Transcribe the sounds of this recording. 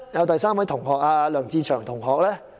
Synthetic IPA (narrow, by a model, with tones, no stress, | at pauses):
jɐ˨˧wt̪ɐ˨jsaː˥mwɐ˨˥jt̪ʰʊ˨˩ŋɦɔː˨k̚aː˧lœː˨˩ŋt͡siː˧t͡ʃʰœː˨˩ŋt̪ʰʊ˨˩ŋɦɔː˨k̚lɛː˥